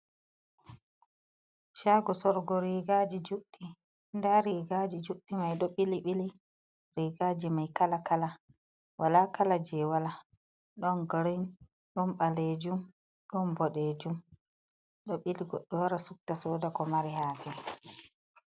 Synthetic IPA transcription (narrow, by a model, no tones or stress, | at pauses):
ʃaːɡɔsɔɾɡɔɾiɡad͡ʒid͡ʒuɗːi | ndaɾiɡad͡ʒid͡ʒuɗːimajɗɔɓiliɓili | ɾiɡad͡ʒimajkalakala | walakalad͡ʒɛwala | ɗɔnɡɾin | ɗɔnɓaled͡ʒum | ɗɔnbɔɗed͡ʒum | ɗɔɓiliɡɔɗːɔwaɾasuk̚tasɔːdakɔmaɾihaːd͡ʒɛ